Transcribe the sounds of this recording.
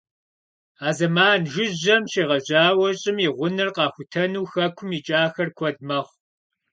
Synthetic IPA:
aːzɐmaːnʒɪʑɐmʃeːʁɐʑaːwɐɕʼɪmiʁʷʊnɨrqɑːxʷʊtʰɐnuːxɐkʷʰʊmit͡ʃʼaːxɐrkʷʰɔd̚mɐχʷ

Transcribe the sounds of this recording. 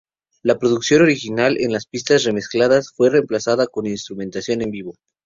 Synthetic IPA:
lapɾo̞ðuksjo̞no̞ɾixinalʔe̞̰nlaspist̪asre̞me̞sklaðasfwe̞re̞mplasaðako̞ninst̪ɾumẽ̞nt̪asjo̞ne̞mbiβo̞

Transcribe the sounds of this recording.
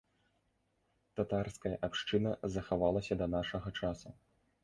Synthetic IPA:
t̪at̪arskɐjɐʔapʂt͡ʂɨnɐzɐxavalˠɐsʲɐd̪ɐnaʂɐɣɐt͡ʂasu

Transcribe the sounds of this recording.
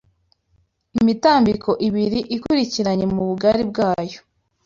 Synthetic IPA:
imitaːmbikʰo̞ʔiβiɾiʔikuɾiciɾaɲe̞muβuɡaɾib̚ɡaːjo

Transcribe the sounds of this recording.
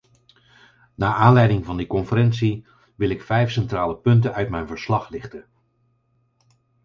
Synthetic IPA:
naːʔaːnlɛjdɪŋvɑndikɔnfəɾɛnsi | ʋɪlɪkfɛjfsɛntraːləpɵntənœɥtmɛjnvəɹslɑχlɪχtən

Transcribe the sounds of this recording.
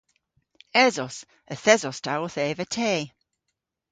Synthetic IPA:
ɛzɔs | əθɛzɔstʰawɔθeːvətʰeː

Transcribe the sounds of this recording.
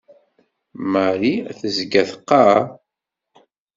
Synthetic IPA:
məɾiæ̰θəzɡæθəqːɑ

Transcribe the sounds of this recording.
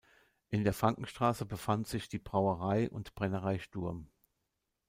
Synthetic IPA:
ʔɪndeːɐfʁ̥aŋkŋ̩ʃtʁ̥aːsəbəfantz̥ɪçd̥iːbʁaʊəʁaɪʔʊ̰ntb̥ʁɛnəʁaɪʃtʊɐm

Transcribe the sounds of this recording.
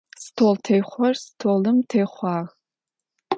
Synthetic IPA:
stʰoːltʰejχʷɔrstʰoːlɨmtʰejχʷɑːɣ

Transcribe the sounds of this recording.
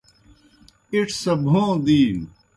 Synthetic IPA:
iʈʰsɐbʱõːd̪iːn

